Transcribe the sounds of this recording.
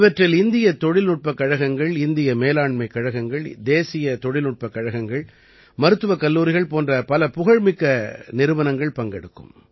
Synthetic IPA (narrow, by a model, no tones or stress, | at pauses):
ʋɐʈrɪlɪnd̪ɪjɐt̪ːɔɻɪlnʊʈ̚pɐkːɐɻɐɣɐŋɡɐɭɪnd̪ɪjɐmeːlaːɳmɐɪkːɐɻɐɣɐŋɡɐɭd̪eːsɪjɐt̪ɔɻɪlʊʈ̚pɐkːɐɻɐɣɐŋɡɐɭ | mɐɾɯt̪ːɯʋɐkːɐlːuːɾɪɣɐɭpoːndrɐpɐlɐpʊɣɐɻmɪkːɐnɪɾɯʋɐnɐŋɡɐɭpɐŋɡɛɽɯkːɯ̰m